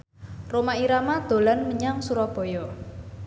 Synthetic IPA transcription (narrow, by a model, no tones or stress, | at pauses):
romaiɾamad̪̥o̤lanməɲaŋsuɾɔb̥ɔ̤jɔ